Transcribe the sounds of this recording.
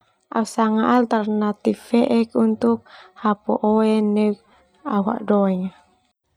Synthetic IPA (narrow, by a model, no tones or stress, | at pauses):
ʔa̰usaŋaʔːlt̪arnat̪ifɛʔɛkunt̪uk̚hapuʔoɛnək̚ | a̰uɦa̰ʔdɔɛŋa